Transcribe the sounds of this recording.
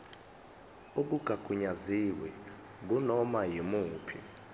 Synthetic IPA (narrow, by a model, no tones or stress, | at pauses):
uk̬uɡ̥ʱaɡ̥ʱuɲaziwɛ | k̬unɔmajimuːpʰḭ